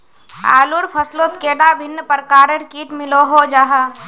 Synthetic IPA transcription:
a̰ːluɾpʰəslot̪keːɖabʱɪnːəpəɾkaːɾəɾkiːʈmɪloɦod͡ʒaːɦa

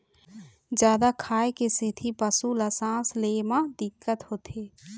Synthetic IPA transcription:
d͡ʒjaːd̪akʰaːekesɪt̪ʰipəsuləsãːsleːmãd̪ɪkːət̪ɦoːt̪ʰeː

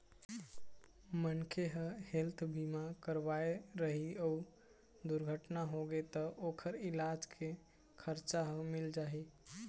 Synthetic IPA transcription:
mənkʰeɦə̃helt̪ʰbimakəɾʋaeɾəɦiəu | d̪uɾɡʱəʈnaɦoɡet̪əʔokʰəɾilad͡ʒkʰe | kʰəɾt͡ʃaɦə̃mild͡ʒaɦi

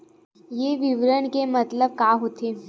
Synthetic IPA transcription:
jeːʋɪʋɾəɳkemɐt̪ləb̚kaːɦoːt̪eː

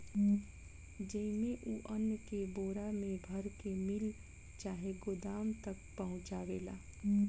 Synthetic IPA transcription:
d͡ʒəimẽʔuːʔənːkeboːɾamẽbʱəɾkemɪl | t͡ʃaːɦeɡod̪aːmt̪əkpəɦʊ̃t͡ʃaːʋeːla̰ː

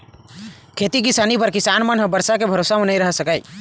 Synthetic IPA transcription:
kʰet̪ikisaːnipəɾkɪsaːnmənɦə̃bəɾsakebʱəɾosamenaĩɾəɦsəkaj

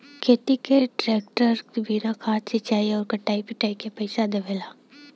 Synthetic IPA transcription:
kʰeːt̪it̪eʈɾeːk̚ʈəɾbʱiːnakʰaːt̪sɪt͡ʃaːiɔːɾkɐʈːaːipɪʈaːikepɐɪsad̪ɐbʱeːlaː

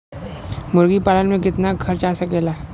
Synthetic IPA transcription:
mʊɾɡipaːlənmẽkɪt̪nakʰɐɾt͡ʃasɐkeːlaː

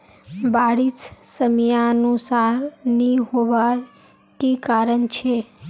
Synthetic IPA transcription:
baɽissəmjaənusaɾniɦoʋa | kikaɾəɳt͡ʃʰe

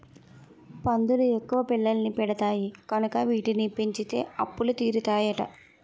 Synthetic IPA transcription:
pɐnd̪uluekːuʋɐpiɭːɐlnipɛɽɐt̪aːjikɐnukɐʋiːʈinipiɲt͡ʃit̪e̞ːɐpːulut̪iːɾut̪aːjɐʈɐ̰

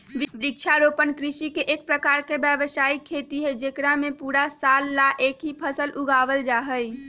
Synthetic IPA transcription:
bbɾikt͡ʃʰaɾopənkɾisikeʔek̚pɾəkaɾkebjəbəsaikʰːet̪iɦɛd͡ʒekɾamẽpuɾasalːaʔekɦipʰəsəlʔuɡaʋəld͡ʒaɦəj

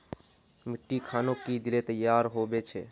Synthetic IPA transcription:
mɪʈːikʰaːnõkid̪ɪlet̪əjːaːɾɦobet͡ʃʰɛː

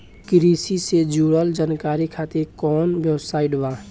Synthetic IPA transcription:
kɾiːsised͡ʒuːɽəld͡ʒaːnkaːɾikʰaːt̪ekɔːnbjəwsaːiɖʋa

